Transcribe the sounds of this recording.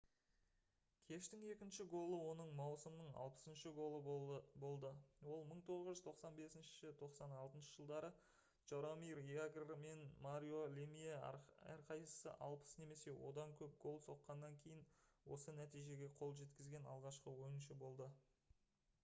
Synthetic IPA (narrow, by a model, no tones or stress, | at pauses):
kʲʰe̞ʃt̪ɪŋe̞kʲɪnʃɪɡo̞lˠəwo̞nəɴmɑwsəmnəɴɑ̰lˠpə̥sənʃəɡo̞lˠəbo̞lˠd̪əwo̞lˠməɴt̪ʰo̞ʁəʒʏzt̪ʰo̞qsɑnbe̞sɪnʃɪ̥ʃɪt̪ʰo̞qsɑnɑlˠt̪ənʃə̥ʒ̥əlˠd̪ɑɾə | ʒ̥oɾomijraɡrme̞nmaɾʲijo̞lʲemijeæ̰ɾqʰɑjəsə̰ʔɑ̰lˠpə̥sne̞me̞se̞wo̞̰d̪ɑŋkʲʰɵp̚ɡ̥o̞lˠso̞qːɑnːɑŋkʲʰe̞jɪnwo̞sənæt̪ijʒe̞ɡʲe̞qʰo̞lˠʒe̞t̪kʲɪzɡʲe̞nɑ̰lˠʁɑʃqəwo̞jənʃəbo̞lˠd̪ə